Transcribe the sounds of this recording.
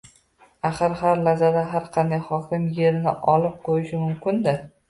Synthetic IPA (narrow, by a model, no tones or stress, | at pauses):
aχɨɾhaɾlazad̪aɦaɾqʰɑnd̪ajχɒkʲɪmje̞ɾɪnɪ̰ʔɒlɪp̚qʰojɪʃɪmʊmkʲʰɪnd̪ɪ